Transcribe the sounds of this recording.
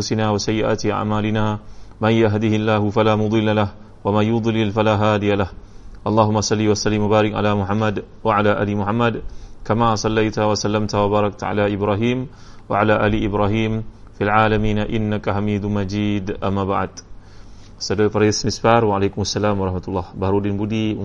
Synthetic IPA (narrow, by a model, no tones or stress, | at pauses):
ʔafʊsɪnaːwasajːɪʔa̰ːt̪ʔa̰ʕmaːlɪnaːmanjaɦd̪ihɪlːaːɦʊfalaːmʊd̪ˤɨlːalah | wamanjʊd̪ˤlɪlfalaːɦaːd̪ijalahʔɑlˤːɑːɦʊmːasˤɑlːiːwasalːɪmwabaːɾɪkʕa̰laːmʊħamːad̪ | waʕalaːʔa̰ːlimʊħamːad̪kamasˤɑlːajt̪awasalːamt̪awabaːɾˤɑk̚t̪aʕa̰laʔɪbɾaːɦiːm | wa̰ʕalaʔaːliʔɪbɾaːɦiːm | fialʕaːlamiːnaʔɪnːakaɦamiːd̪mad͡ʒiːd̪ʔamːabaʕ̰d̪ | sadɔjpaɾajsmɪsbaɾwaʕalakʊmasːalaːmwɑɾˤɑhmat̪ulˤːɑhbahɾudɪnbudi